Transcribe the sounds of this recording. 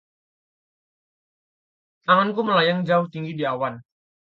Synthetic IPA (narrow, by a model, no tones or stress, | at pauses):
t̪aŋankuməlajaŋd͡ʒaʊht̪iŋɡidiawan